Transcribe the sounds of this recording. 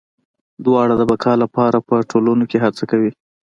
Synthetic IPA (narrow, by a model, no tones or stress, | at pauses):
d̪wɑɽad̪əbakʰɑlapɑɾapəʈʰolunokeɦat͡sakawi